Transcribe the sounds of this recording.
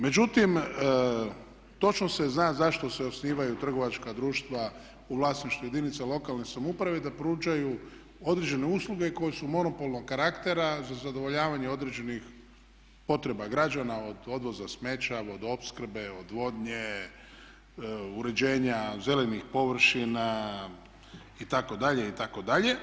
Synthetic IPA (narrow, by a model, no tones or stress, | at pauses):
me̞d͡ʒut̪im | t̪o̞t͡ʃnose̞znaːzaʃt̪o̞seo̞sniːʋajut̪r̩ɡo̞ʋat͡ʃkad̪ɾuːʃt̪ʋa | uʋlˠaːsniʃt̪uje̞d̪init̪salo̞kalnesamupɾaʋed̪apɾuːd͡ʒaju | o̞d̪ɾed͡ʒe̞ne̞uslˠuɡe̞ko̞jesumo̞no̞po̞lˠnoɡkːaɾakt̪e̞ɾazazad̪o̞ʋo̞ʎaːʋaɲeo̞d̪ɾe̞d͡ʑe̞nix | po̞t̪ɾe̞baɡɾad͡ʒanao̞d̪o̞d̪ʋo̞zasme̞t͡ʃao̞d̪o̞pskr̩be̞od̪ʋo̞d̪ɲe | uɾe̞d͡ʒeːɲaze̞lenixpo̞ʋr̩ʃina | it̪ako̞d̪aʎe̞it̪ako̞d̪aʎe̞